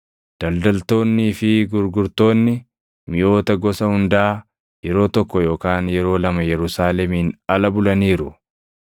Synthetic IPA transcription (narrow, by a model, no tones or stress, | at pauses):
d̪̥ɐld̪ɐlt̪o̞ːnːiːfɪɡʊɾɡʊɾt̪o̞ːnːɪ | mɪjo̞ːt̪ɐɡɔsɐhʊnd̪aː | jɛɾo̞ːt̪ɔkːɔjo̞ːkaːnjɛɾo̞ːlɐmɐjɛɾʊsaːlɛmiːnɐlɐbʊlɐniːɾʊ